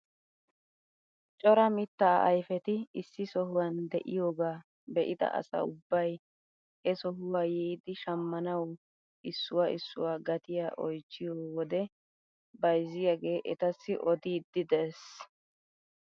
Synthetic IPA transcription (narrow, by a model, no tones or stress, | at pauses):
t͡ʃʼɔɾɐmɪt̪ːɐ̰ɐjfɛt̪ɪɪsːɪsɔɦʊwɐnd̪ɛʔɪjoːɡaː | bɛʔɪd̪ɐ̰ʔɐ̰sɐ̰ʊbːɐj | ɛsɔɦʊwaːjɛːd̪ɪʃɐmːɐnɐw | ɪsːʊwaːʔɪsːʊwaːɡɐt̪ɪjaːʔɔjt͡ʃːɪjoːwɔd̪ɛ | bɐjzːɪjaːɡe̞ːʔɛt̪ɐsːɪʔɔd̪iːd̪ːɪd̪eːs